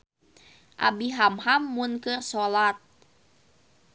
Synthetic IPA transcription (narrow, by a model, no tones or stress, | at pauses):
ʔa̰biɦamhamːunkɨrsolat̪̚